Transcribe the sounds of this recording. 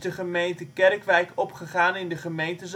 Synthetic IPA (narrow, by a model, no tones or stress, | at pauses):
dəχəmejntəkɛrkʋɛjkɔpχəχaːnɪndəχəmejntəz